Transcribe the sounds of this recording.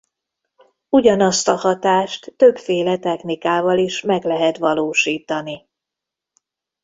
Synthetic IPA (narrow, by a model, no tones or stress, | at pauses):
uɟɒnɒst̪ɒhɒt̪aːʃt̪ːø̞bfeːlɛt̪ɛxnikaːvɒliʃmɛɡlɛɦɛt̪ʋɒloːʃiːt̪ɒni